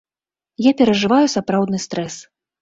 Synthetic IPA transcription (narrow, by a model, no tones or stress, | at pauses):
japʲɛɾɐʐɨvajusapɾawd̪nɨst̪ɾɛs